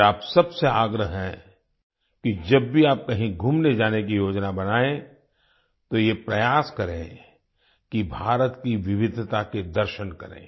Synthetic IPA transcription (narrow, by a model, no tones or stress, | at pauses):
aːpsɐbseaːɡɾəɦɦɛ̃ | kid͡ʒɐbːʱiaːp̚kɐɦĩɡʱuːmned͡ʒaːnek̬ijoːd͡ʒnabɐnaːẽ | t̪ojepɾɐjaːskɐɾḛ̃ | kibʱaːɾət̪kiʋɪʋɪd̪ʱt̪aked̪ɐɾʃənkɐɾḛ̃ː